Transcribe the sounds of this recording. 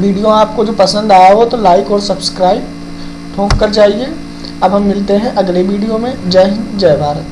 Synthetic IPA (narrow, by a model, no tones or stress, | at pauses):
ʋiːɖijoaːp̚kod͡ʒoːpɐsə̃nd̪aːjaɦot̪olaːɪkɔːɾsɐbskɾaːɪb̚ | ʈʰõːkːəɾd͡ʒaːie | ɐbɦɐmːɪlt̪eɦɛ̃ʔɐɡleʋiːɖijomẽd͡ʒaɦnd͡ʒɐːʋaːɾ